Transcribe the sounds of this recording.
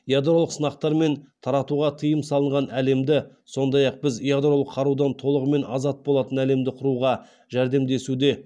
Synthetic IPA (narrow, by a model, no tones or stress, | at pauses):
jad̪ɾo̞lˠəqsənɑqt̪ɑɾme̞nt̪ʰɑɾɑt̪uʁɑt̪ʰəjəmsɑlˠəɴʁɑnæle̞md̪ɪ | so̞nd̪ɑjɑq̚bɪzjad̪ro̞lˠəqʰːɑɾud̪ɑnt̪ʰo̞lˠəʁəme̞nɑ̰zɑt̪̚bolˠɑt̪ənæle̞md̪ɪqʰʊɾuʁɑ | ʒæɾd̪e̞md̪e̞sud̪e̞